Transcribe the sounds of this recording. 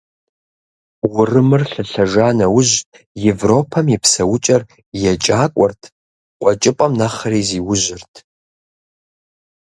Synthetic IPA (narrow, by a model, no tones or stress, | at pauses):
wʊrɨmɨrɬɨɬɐʒaːnɐwʊʑtʼ | jevroːpʰɐmjɛpʰsɐwʊt͡ʃʼɐr | jɛt͡ʃʼaːkʷʼɔrtʰ | qʷʼɔt͡ʃʼɪpʼɐmnɐχɐɾiːziːwʊʒʷɪrtʰ